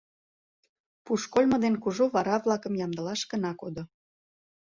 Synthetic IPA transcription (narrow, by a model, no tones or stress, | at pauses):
puʃkolʲmə̆d̪enkuʒoβɑɾɑβlˠɑkə̆mjɑmd̪ə̆lɑʃkənɑkod̪o